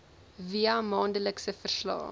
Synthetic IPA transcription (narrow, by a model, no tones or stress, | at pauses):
viɐmɑːndələksəfərslɑ̰ː